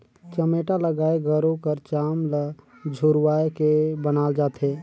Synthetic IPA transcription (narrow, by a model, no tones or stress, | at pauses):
t͡ʃəmeːʈaləɡaːeɡʱəɾõkəɾt͡ʃaːml | d͡ʒʱʊɾwaːekebənaːld͡ʒaːt̪ɦẽː